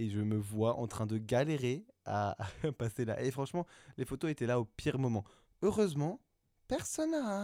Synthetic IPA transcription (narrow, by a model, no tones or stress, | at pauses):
eʒəməvwaʔɑ̰̃t̪χɛ̃d̪əɡaleʁea̰pasela̰ʔefχɑ̃ʃmɑ̃lefot̪oet̪ɛlaopʰiʁmɔmɑ̃ | øʁøzmɑ̃ | pɛʁsɔna